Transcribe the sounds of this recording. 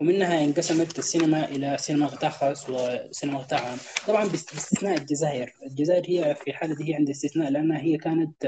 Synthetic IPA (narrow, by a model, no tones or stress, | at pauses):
wɪmɪnːɦaʔɪnɡɑsamat̪asːiːnamaʔɪlasinamaɣɪt̪ˤɑʕxɑswɪsiːnamaɣɪt̪ˤɑːʕʕamt̪ˤɑbʕɑmbɪbɪst̪ɪθnaːʔad̪d͡ʒazaːʔɪɾɪld͡ʒazaːʔɪɾhijːafiħaːlad̪ihiːʕɪnd̪ist̪ɪθnaːʔlɪʔanːhaɦijːakaːnat̪